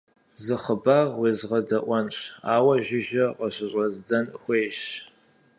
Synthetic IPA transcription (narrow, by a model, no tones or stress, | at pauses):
zɨχəbaːʁweːzʁɐdɐʔʷɐnɕaːwɐʒɪʒɐqəɕɪɕʼɐzd͡zɐnxʷeːʃ